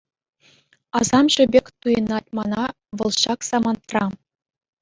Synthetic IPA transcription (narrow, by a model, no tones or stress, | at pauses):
ɑzɑmʐɘ̆bʲekʲt̪ujɤ̆nɑt̚ʲmɑnɑ | ʋɤ̆lˠɕɑksɑmɑnt̪rɑ